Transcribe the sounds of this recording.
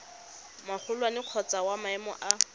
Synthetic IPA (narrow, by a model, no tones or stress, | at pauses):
maχʰʊlwanɪq͡χʰɔt͡sawamaɛmɔ̰ʔa